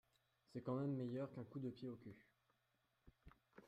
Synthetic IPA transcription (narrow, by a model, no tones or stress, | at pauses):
sɛkɑ̃mɛmːejœʁkɛ̃kud̪əpjeokʲø